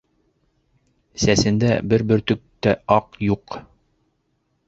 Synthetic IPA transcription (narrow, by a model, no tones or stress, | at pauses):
sæsɘ̆nd̪æbɘɾbɘ̆ɾt̪ɵ̆k̚t̪æɑqjuq